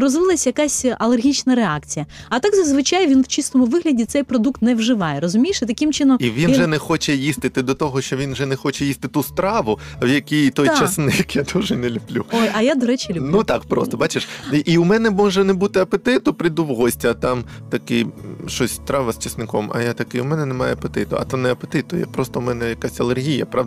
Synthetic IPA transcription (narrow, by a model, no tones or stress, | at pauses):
rɔzʋɪlˠɐsʲjɐkasʲɐlˠerɦʲit͡ʃnɐɾeɑk̚t͡sʲijɐɐt̪aɡzɐzʋɪt͡ʃajʋʲinwt͡ʃist̪ɔmʊʋɪɦlʲɐdʲit̪sɛjpɾɔd̪ukt̪nɛwʐɪʋɑjɛɾɔzʊmʲijʃɪt̪ɐkʲɪmt͡ʃɪnɔmiʋʲinʒɛnɛxɔt͡ʃɛjist̪ɪt̪ɪd̪ɔt̪ɔɦɔʃt͡ʃɔʋʲinwʒɛnɛxɔt͡ʃɛjist̪ɪt̪ust̪ɾɑʋʊwjɐkʲijt̪ɔjt͡ʃɐsnɪjɐkjad̪uʒɛnɛlʲʊb̥lʲuɔjɐjad̪ɔɾɛt͡ʃʲɪlʲnut̪ɑkpɾɔ̰st̪ɔbɑt͡ʃeʃʔiʊmɛnɛmɔʒɛnɛbut̪ɪɐpet̪ɪt̪ʊpɾɪjd̪uwɦɔsʲtʲiɐt̪ɑm | t̪ɐkɪʃɔsʲst̪ɾɑʋɐst͡ʃɐsnɪkɔmɐ̰jat̪ɐkɪʊmɛnɛnɛmɑjɛɐpet̪ɪt̪ʊɐ̰t̪anɛɐpet̪ɪt̪ʊjɛ̰pɾɔst̪ɔmɛnɛjɐkasʲɐlˠerɦʲijɐpɾɑʋd